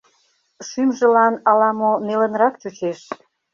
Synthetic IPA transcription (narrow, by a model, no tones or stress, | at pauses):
ʃymʒə̆lɑnɑlɑmonelə̆nɾɑkt͡ɕot͡ɕeʃ